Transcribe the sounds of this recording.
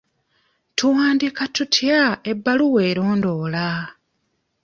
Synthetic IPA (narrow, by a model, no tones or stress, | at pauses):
tuwaːndikatutʰjae̞bːaluwe̞ːɾo̞ːndo̞ːla